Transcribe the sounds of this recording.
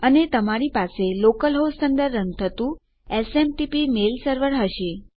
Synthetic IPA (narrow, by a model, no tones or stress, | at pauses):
ənet̪əmaɾipaselokəlɦossənd̪əɾənt̪ʰət̪ũ | esemʈipimelsəɾʋəɾɦəʃe